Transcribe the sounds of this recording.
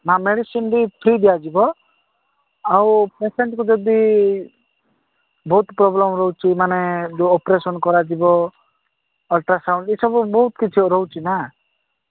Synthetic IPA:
mãmeɖisinbipʰɾid̪ijad͡ʒibɔ | awpeseɳʈkud͡ʒɔd̪i | bɔɦut̪pɾɔblɔmɾɔɦut͡ʃʰimanɛd͡ʒoɔpɾesɔnkɔɾad͡ʒibɔ | ɔlʈɾasaʊ̃ɳʈesɔbubɔɦut̪kit͡ʃʰuɾɔɦut͡ʃʰina

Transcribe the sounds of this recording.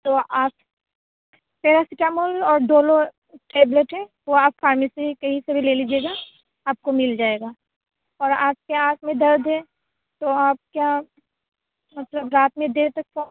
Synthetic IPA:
t̪oaːp | peːɾasɪʈaːmolɔːɾd̪oːlo | ʈeːbleʈɦɛ | ʋoaːpfʰaːɾmesikɐɦisebʱileːliːd͡ʒeːɡa | aːp̚komɪld͡ʒaːeːɡaː | ɔːɾa̰ːd͡ʒkeaːt̪ʰmẽd̪ɐɾd̪ʱɦɛ | t̪oaːp̚kja | mɐt̪ləbɾaːt̪mẽd̪eːɾt̪ɐk̚fo

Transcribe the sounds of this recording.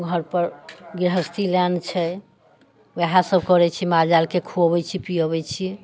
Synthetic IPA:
ɡʱəɾpəɾɡɾɦəst̪iljant͡ʃʰɛ | weɦãsəbkɔɾɛt͡ʃʰiɛmaɾd͡ʒalkekʰuəbɛt͡ʃʰipiəbɛt͡ʃʰiɛ

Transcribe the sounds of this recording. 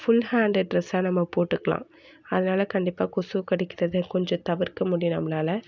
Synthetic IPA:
fʊlhaːɳɖɐɖɾɛsaːnɐmːɐpoːʈːɯkːɐlã̰ː | ɐðɐnaːlɐkɐɳɖɪpːaːkʊsuːkɐɽɪkːɪɾɐðɯkɔɲd͡ʒɔ̃t̪ɐʋɪɾkɐmʊɽɪjʊ̃nɐ̰mːɐnaːlɐ

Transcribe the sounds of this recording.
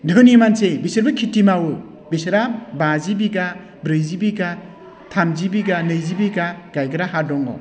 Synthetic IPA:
dʱɯnimansebisɯɾbɯkʰitːimawɯ | bisɾabazibiɡa | bɾɯjzibiɡa | tʰamzibiɡanɯjzibiɡaɡ̥ajɡɯɾaɦadɔŋɔ̰

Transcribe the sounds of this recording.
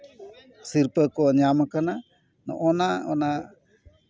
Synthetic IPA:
siɾpəkoɲamakana | no̰ʔonaona

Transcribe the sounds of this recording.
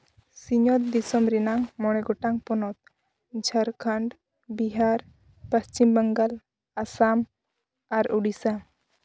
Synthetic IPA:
siɲɔt̪̚d̪isɔmɾinaŋmɔɽ̃ɛɡɔʈaŋpɔnɔt̪̚ | d͡ʒʱəɾkʰəɳɖ | biɦaɾ | pəst͡ʃimbəŋɡal | asam | aɾuɽisa

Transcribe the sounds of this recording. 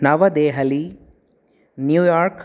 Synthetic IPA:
nɐʋɐd̪eːɦɐli | njuːjaːɾk

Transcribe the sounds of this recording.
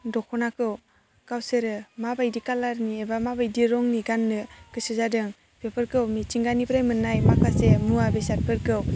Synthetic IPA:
dɔkʰɔnakɯw | kawseɾɯmabajdikalaɾniebamabajdiɾɔŋniɡanːɯkɯsɯzadɯŋ | bepʰɯɾkɯwmit͡ʃiŋɡanipʰɾajmɯnːajmakʰasemuabesat̚pʰɯɾkɯw

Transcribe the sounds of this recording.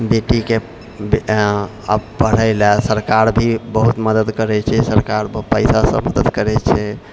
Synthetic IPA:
beʈike | be | ə̰bpəɽ̤əɪlasəɾkaɾbʱibəɦut̪məd̪əd̪kəɾɛt͡ʃʰɛsəɾkaɾpəjsasə̰̃məd̪əd̪kəɾɛt͡ʃʰɛ

